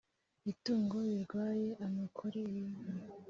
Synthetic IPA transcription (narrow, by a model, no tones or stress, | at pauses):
ituːŋɡo̞βiɾɡwaːje̞ʔamakʰoɾejina